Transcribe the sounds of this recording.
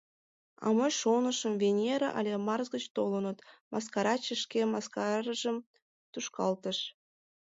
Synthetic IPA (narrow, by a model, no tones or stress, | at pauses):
ɑ̰məjʃonəʃəmvʲenʲeɾəʔɑ̰lʲemɑrzɡət͡ɕt̪olənət̪mʔɑskɑɾɑt͡ɕəʃkemɑskɑɾəʒəm | t̪uʃkɑlt̪əʃ